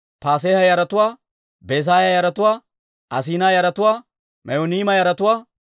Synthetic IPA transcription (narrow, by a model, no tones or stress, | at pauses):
paːs̬eːhɐjɐɾɐt̪ʊwaː | beːs̬aːjajɐɾɐt̪ʊwaː | ʔɐs̬iːnaːjɐɾɐt̪ʊwaː | mʔɐjoniːmɐjɐɾɐt̪ʊwaː